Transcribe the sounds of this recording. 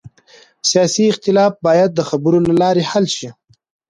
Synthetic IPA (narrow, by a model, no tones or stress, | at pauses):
sijɑːsiɪxt̪ɪlɑːfbɑjad̪̚ːəxabəɾolalɑɾehalʃi